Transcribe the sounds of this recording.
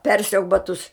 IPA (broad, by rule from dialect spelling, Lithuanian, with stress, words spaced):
ˈpʲɛrʲsʲɛʊk bɐˈtʊs